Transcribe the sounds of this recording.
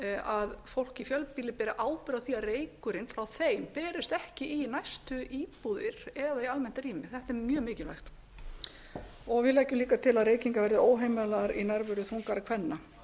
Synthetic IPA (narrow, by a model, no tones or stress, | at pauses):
aðfowl̥cifjœlpiːlɪpɛːɾɪʔaːwpɪɾaðθiaðreːjkʏɾɪnfɾawθeːjmpɛːɾɪst̪ɛhcɪʔinajst̪ʏʔiːpuðɪɾ̥ɛðaialmɛn̥t̪aɾiːmɪθɛht̪ɛɾmjœːmɪːcɪlva̰jxt̪ | ɔɣvɪðlɛhcʏmliːkat̪ʰɪlaðrɾeːjciŋkavɛɾðɪoːwɦejmɛlaɾinajɾvʏɾʏθuŋkaɾakʰvɛnːa